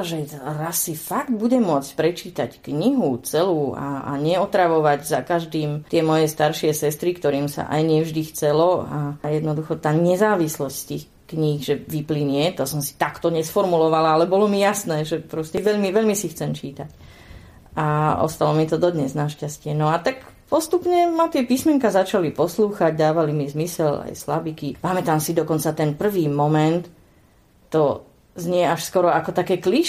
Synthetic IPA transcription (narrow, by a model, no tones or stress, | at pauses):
ʒɛɾasːifaɡd̪buɟɛmʊɔt͡sc̚pɾɛt͡ʃiːt̪a̰ckɲiɦut͡sɛluːa̰a̰ɲɛɔt̪ɾaʋɔʋaɟzakaʒd̪iːmt̪ɪɛmɔjɛst̪aɾʃɪɛsɛst̪ɾikt̪ɔɾiːmsa̰ʔa̰jɲɪɛvʒd̪ixt͡sɛlɔajɛd̪nɔd̪uxɔt̪aːɲɛzaːʋislɔscst̪iːx | kɲiɣʒɛʋipliɲɪɛt̪ɔsɔmsi̥t̪akt̪ɔɲɛsfɔɾmulɔʋalaalɛbɔlɔmijasnɛːʒɛpɾɔscɛʋɛʎmiʋɛʎmisixt͡sɛmt͡ʃiːt̪ac | ʔaɔ̰st̪alɔmɪɛt̪ɔd̪ɔd̪ɲɛznaʃcascɪɛnɔat̪ak | pɔst̪upɲɛmat̪ɪɛpismɛŋkazat͡ʃalipɔsluːxaɟd̪aːʋalimizmisɛla̰jslabikipamɛt̪aːmsid̪ɔkɔnt͡sat̪ɛnpr̩ʋiːmɔmɛnt̪ː | ɔ | zɲɪɛaʃskɔɾɔakɔt̪akɛːkliʃ